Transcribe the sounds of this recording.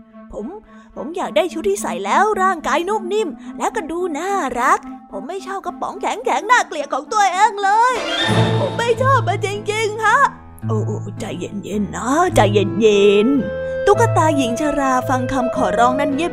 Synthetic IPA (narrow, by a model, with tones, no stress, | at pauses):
pʰo˨˦m | pʰo˨˩˦mjaː˨˩k̚daː˥˩jt͡ɕʰuː˦˥t̪ʰːiː˥˩sa̰˨˩˦jlɛː˦˥wɾaː˥˩ŋkaː˧˥jnuː˥˩k̚ni˥˩mlɛː˦˥wka˧duː˧naː˥˩ɾa˦˥k̚pʰo˨˩˦mːa˥˩jt͡ɕʰɔː˥˩p̚ka˧˥p̚pɔ̰ː˨˩˦ŋkʰɛ˨˩˦ŋkʰɛː˨˩˦ŋnaː˥˩kli˨˩ət̚kʰːɔː˨˩˦ŋt̪u˧˩əjʔɛː˧˥ŋlɤː˧jpʰo˨˩˦mːa˥˩jt͡ɕʰɔː˥˩p̚maː˧t͡ɕi˧ŋt͡ɕi˧ŋkʰa˦˥ | ʔoː˧˩ʔoː˧˩t͡ɕa˧jːḛ˧nje˧nːɔ˦˥t͡ɕa˧jːe˧nje˧nt̪u˨˦˥kːa˧t̪aː˧ji˨˩˦ŋt͡ɕʰaː˧ɾaː˧fa˧ŋkʰa˧mkʰɔː˨˩ɾɔː˦˥ŋna˥˩nji˦˥˩